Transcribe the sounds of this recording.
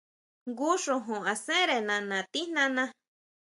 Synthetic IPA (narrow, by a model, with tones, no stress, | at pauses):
ŋɡu˦ʂõ˧ɦõ˨a˨sẽ˦ɾe˨nã˨nã˨t̪i˦nã˦nã˧